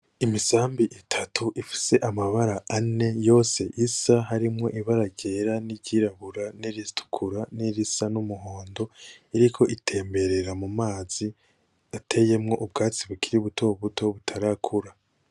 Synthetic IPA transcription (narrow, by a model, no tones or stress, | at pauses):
imisaːmbiʔitʰatʰuʔifi̥se̞ʔamaβaɾaʔane̞jo̞ːse̞ʔisaɦaɾimŋo̞ʔiβaɾaɟe̞ɾaniɟiɾaβuɾaniɾistu̥kʰuɾaniɾisanumuɦo̞ːndo̞iɾikʰo̞ʔitʰe̞ːmbe̞ɾe̞ɾamumaːz̥i | atʰe̞je̞mŋo̞ʔubɡaːt͡siβukʰiɾiβutʰo̞βutʰo̞βutʰaɾakʰuɾa